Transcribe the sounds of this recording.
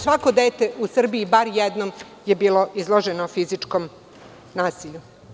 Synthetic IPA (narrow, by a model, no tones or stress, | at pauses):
sʋako̞d̪eːt̪e̞ʔusr̩biibaɾjɛd̪nom | je̞biːlˠo̞izlˠoʒenofizit͡ʂkom | naːsiʎu